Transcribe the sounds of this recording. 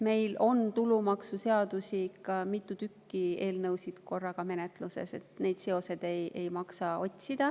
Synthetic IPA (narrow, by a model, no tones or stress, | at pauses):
me̞jlo̞nt̪ulumɑksuse̞ɑd̪̥usikɑmit̪ːˑut̪ykːie̞ːlnɤwsid̪̥ko̞rːɑɡ̥ɑme̞net̪ˑluse̞̰se̞̰t̪ne̞jd̪̥se̞o̞se̞d̪̥e̞je̞jmɑksɑo̞t̪ʲsid̪̥ɑ